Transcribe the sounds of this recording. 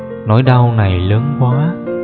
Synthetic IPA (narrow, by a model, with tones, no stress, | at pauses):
nɔ˨˦jɗa˧wna˨˩jləː˨˦nkwaː˨˦